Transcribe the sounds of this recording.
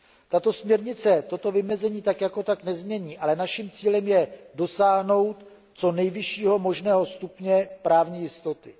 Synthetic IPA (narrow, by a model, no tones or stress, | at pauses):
t̪at̪o̞smɲɛɾɲɪt͡sɛt̪o̞t̪o̞vɪmɛzɛɲiːt̪akjako̞t̪aknɛzmɲɛɲiːʔalɛnaʃimt͡siːlɛmjɛdo̞saːɦno̞wt̪ | t͡so̞nɛjvɪʃiːɦo̞mo̞ʒnɛːɦo̞st̪upɲɛpɾaːvɲijɪst̪o̞t̪ɪ